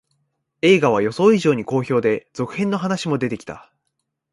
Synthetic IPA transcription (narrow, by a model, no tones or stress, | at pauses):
e̞ːɡaβ̞ajo̞so̞ːiʑo̞ːɲ̟iko̞ːço̞ːd̪e̞z̥o̞kɯ̟̥hẽ̞nːo̞ɦanaɕimo̞d̪e̞t̪e̞kʲi̥t̪a̰